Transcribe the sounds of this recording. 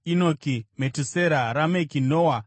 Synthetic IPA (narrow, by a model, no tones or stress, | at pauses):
inokimetuseɾaɾamekinoːwa